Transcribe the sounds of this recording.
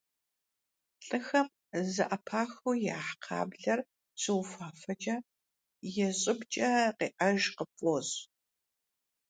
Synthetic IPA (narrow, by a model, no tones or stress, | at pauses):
ɬʼɨxɐm | zɐʔɐpʰaːxuja̰ːħqʰa̰ːbɮɐr | t͡sʰʼɨwfaːfɐt͡ʃʼɐ | jɛɕʼɪbt͡ʃʼɐqeːʔɐʒqəpʼoz